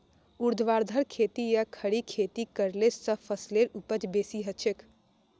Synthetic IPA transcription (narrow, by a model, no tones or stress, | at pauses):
uɾd̪ʱʋaɾd̪ʱəɾkʰet̪ijakʰəɽikʰet̪ikəɾlesəpʰəsleɾupət͡ʃbesiɦət͡ʃʰek